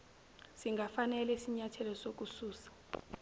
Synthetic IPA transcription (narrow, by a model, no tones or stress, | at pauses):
siŋɡʱafanɛlɛisiɲatʰɛlɔsok̬usuːsḁ